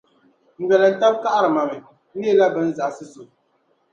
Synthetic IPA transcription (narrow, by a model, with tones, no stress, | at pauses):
ŋ̩˨ɡɛ˨lɛ˨n̩˦ta˦b̚ka˦ʔa˦˨ɾɨ˨ma˨mi˨˦ | i˦e˦la˦bɛ˨˦n̩˦za˨ʔsɨ˦su˨